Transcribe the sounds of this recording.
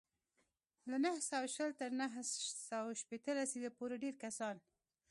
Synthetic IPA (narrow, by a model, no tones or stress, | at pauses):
lanəhsawaʃəlt̪əɾnəɦsawaʃpet̪əlasid̪apoɾeɖeɾkasɑn